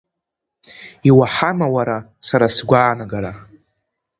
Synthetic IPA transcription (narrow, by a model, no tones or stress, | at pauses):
iwaħamawaɾasaɾasɡʷaːnaɡaɾa